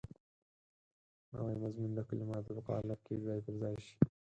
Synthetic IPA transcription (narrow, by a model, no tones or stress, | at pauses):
na̰wa̰jmazmund̪əkʊlemɑːt̪əbəqɑ̰ːlap̚kezɑːjpəɾzɑːjʃi̥